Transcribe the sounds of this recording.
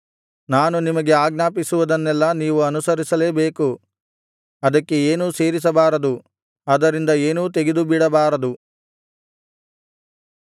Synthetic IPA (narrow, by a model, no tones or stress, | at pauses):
naːnunimɐɡe̞aːɡnaːpisuʋɐd̪ɐnːɛlːɐniːʋuɐnusɐɾisɐle̞ːbeːku | ɐd̪ɐkːe̞eːnuːse̞ːɾis̬ɐbaːɾɐd̪u | ɐd̪ɐɾind̪ɐe̞ːnuːt̪e̞ɡed̪ubiɽɐbaːɾɐd̪u